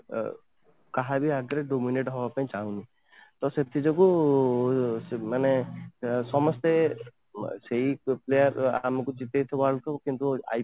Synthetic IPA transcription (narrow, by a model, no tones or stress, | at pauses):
kaɦabiaɡɾeɖomineʈɦɔbapaĩt͡ʃaɦũni | t̪ɔset̪ʰid͡ʒɔku | mane | sɔmɔst̪e | seɦiplejaɾa̰mɔkud͡ʒit̪ejt̪ʰɔbalk̪ʰɔbɔkint̪ua̰j